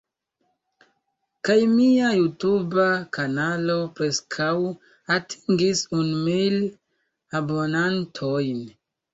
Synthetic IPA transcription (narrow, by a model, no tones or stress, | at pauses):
kajmiajutubakanalopɾe̞skʰaw | atʰi̥ŋɡisunmil | abo̞nantʰojn